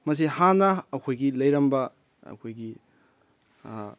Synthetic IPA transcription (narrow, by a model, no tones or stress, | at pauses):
mɐs̬ihanɐːkʰojɡilɐjɾɐmbɐ | ɐ̰kʰojɡi